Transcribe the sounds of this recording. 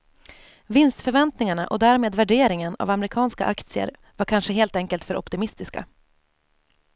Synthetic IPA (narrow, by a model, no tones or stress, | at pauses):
vɪnst̪fœɾvɛnt̪nɪŋaɳaʔɔd̪æːɾmeːd̪væɖeːɾɪŋəna̰vamɾɪkʰɑːnskaʔakt̪sɪə̰ɾ | vaɾkʰanʂəɦeːlt̪ɛŋkəlt̪fœɾʔɔ̰pt̪ɪmɪst̪ɪska̰